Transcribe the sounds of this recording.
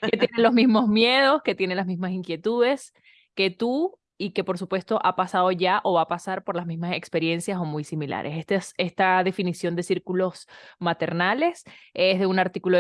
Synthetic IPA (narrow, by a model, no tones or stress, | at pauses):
ket̪jenelozmizmo̞zmje̞ð̞o̞sket̪je̞nenlazmizmasiŋkje̞t̪uðe̞s | ke̞t̪u | ike̞po̞ɾsupwe̞st̪o̞ʔapasaðo̞ʝaʔo̞βapasaɾpo̞ɾlazmizmase̞kspe̞ɾje̞nsjaso̞mujsimila̰ɾʔe̞sest̪esest̪aðe̞finisjo̞nd̪e̞siɾkulo̞smat̪e̞ɾnale̞se̞zðe̞unaɾt̪ikulo